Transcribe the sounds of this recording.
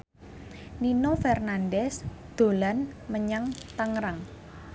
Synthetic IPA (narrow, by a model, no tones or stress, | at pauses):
ninofɛrnandɛsd̪̥o̤lanməɲaŋt̪aŋɾaŋ